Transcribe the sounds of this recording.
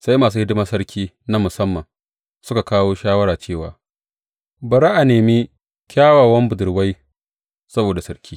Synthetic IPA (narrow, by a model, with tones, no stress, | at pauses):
sa˦jmaː˨s̬uː˦hɪ˦dɪ˦maː˦sɐ˦ɽkʲʰiː˦ | na˦mʊ˨sɐ˦mːɐ˨ŋ | sʊ˦ka˨kaː˦woː˦ʃaː˦wɐ˦ɽaː˨t͡ʃeː˦˨wa̰ː˨ | bɐ˨ɾa˦ʔa˨neː˨mi˦ | kʲaː˦waː˨wɐ˦mbʊ˨dʊ˨ɽwa˦j | sɐ˦boː˨da˨sɐ˦ɽkʲʰiː˦